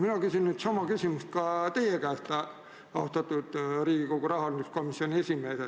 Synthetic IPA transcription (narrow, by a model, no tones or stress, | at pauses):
minɑkysʲinnyːd̪sɑmɑkysʲimust̪̚kɑt̪e̞jekæest̪ɑ | ɑohst̪ɑt̪ːˑud̪̥riːɡ̥ikoɡ̥uɾɑɦɑliusko̞misːio̞nʲie̞sʲime̞ːse